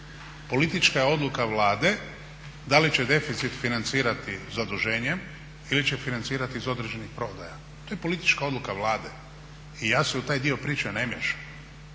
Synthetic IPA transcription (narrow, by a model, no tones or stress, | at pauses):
po̞lit̪it͡ʃkajeo̞d̪lukaʋlaːd̪e̞ | d̪alit͡ɕed̪e̞fit̪sit̪finant̪siːɾat̪izad̪uʒe̞ːɲem | ilit͡ɕefinant̪siːɾat̪iizo̞d̪ɾed͡ʒenixpɾo̞ːd̪aja | t̪o̞jepo̞lit̪i̥t͡ʃkao̞d̪lukaʋlaːd̪e | ijaːseut̪aːjd̪io̞pɾiːt͡ʃene̞mjeʃḁm